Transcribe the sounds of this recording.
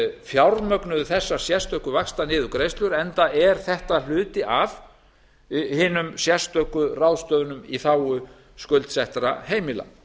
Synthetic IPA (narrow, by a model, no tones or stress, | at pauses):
fjawɾmœknʏðθɛsːaɾ̥sjɛst̪œhkʏvakst̪anɪːðʏkɾejst̪lʏɾɛnt̪aɛɾ̥θɛht̪al̥ʏːt̪ɪʔav | hɪːnʏmsjɛst̪œhkʏrawðst̪œːðʏnʏmiθaːwʏ | skœlt̪sɛht̪ɾa̰heːjmɪla̰